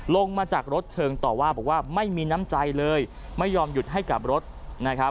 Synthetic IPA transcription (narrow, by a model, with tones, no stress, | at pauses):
lo˧ŋmaː˧t͡ɕaː˨˩k̚ɾo˦˥t̪̚t͡ɕʰɤː˧ŋt̪ɔː˨˩waː˥˩bɔː˨˩k̚waː˥˩ma˥˩jmiː˧na˦˥mt͡ɕa˧jlɤː˧j | ma˥˩jːɔː˧mju˨˩t̪̚ɦa˥˩jka˨˩p̚ɾo˦˥t̪̚na˦˥kʰa˦˥